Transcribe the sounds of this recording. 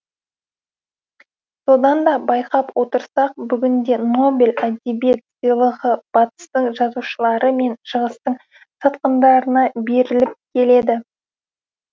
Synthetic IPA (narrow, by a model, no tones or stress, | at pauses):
so̞d̪ɑnd̪ɑbɑjqɑpwo̞t̪əɾsɑq̚bʏɡʲɪnd̪e̞no̞bʲɪlæd̪ʲibet̪səjlˠəʁəb̥ɑt̪ə̥st̪əɴʒɑzuʃəlˠɑɾəme̞nʃəʁəst̪əɴ | sɑt̪qənd̪ɑɾənɑbe̞ɾɪlɪp̚kʲʰe̞le̞d̪ɪ